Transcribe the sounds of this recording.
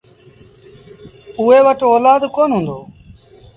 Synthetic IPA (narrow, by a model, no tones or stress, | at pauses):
ʊːɦeːʋəʈoːlaːd̪koːnɦũːnd̪oː